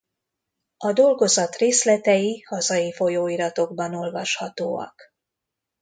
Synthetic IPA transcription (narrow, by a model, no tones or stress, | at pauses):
ɒd̪o̞lɡo̞zɒt̪reːslɛt̪ɛjihɒzɒjifo̞joːiɾɒt̪o̞ɡbɒno̞lvɒʃhɒt̪oːɒ̰k